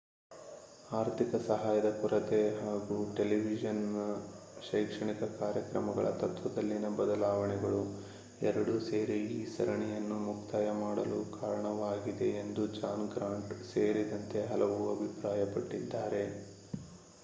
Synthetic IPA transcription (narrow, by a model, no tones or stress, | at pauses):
aːɾt̪ʰikɐsɐɦaːjɐd̪ɐkuɾɐt̪e̞ɦaːɡuʈe̞liʋid͡ʒɐn | ʃɐjkʂɐɳikɐkaːɾjɐkɾɐmɐɡɐ̰ɭɐ̰t̪ɐt̪ʋɐd̪ɐlːinɐbɐd̪ɐlaːʋɐɳɛɡɐɭu | ɛɾɐɽuse̞ːɾiiːsɐɾɐɳɛjɐnːumukt̪aːjɐmaːɽɐ̰lukaːɾɐɳɐʋaːɡid̪e̞ːnd̪ud͡ʒaːnɡɾaːɳʈseːɾid̪ɐnt̪e̞ɦɐlɐʋuɐbʱipɾaːjɐpɐʈːid̪ːaːɾe̞